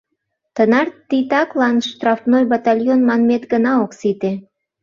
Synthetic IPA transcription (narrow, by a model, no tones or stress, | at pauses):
t̪ənɑrt̪ːit̪ɑklɑnʃt̪rɑfnojbɑt̪ɑlʲjonmɑnmet̪ɡənɑoksit̪e